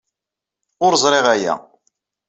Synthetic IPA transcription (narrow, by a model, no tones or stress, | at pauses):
ʊɾzˤɾˤeʁæjæ̰